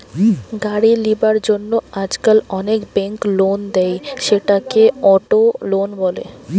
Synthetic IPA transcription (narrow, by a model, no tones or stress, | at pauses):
ɡaɽilibaɾd͡ʑonːoad͡ʑkalɔnekbeŋklond̪ɛjʃeʈakeɔʈolonbɔlḛ